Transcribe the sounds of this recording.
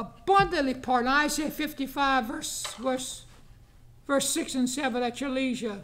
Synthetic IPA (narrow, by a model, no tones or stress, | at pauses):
əb̥ʌ̃ndɨ̃ʔˡlipʰɑɹɾnaɪseɪfɪftifaɪvɜ˞svə˞s | vɜ˞sɪksɨ̃nsɛvə̃nɨt̚t͡ʃɨliʒɨ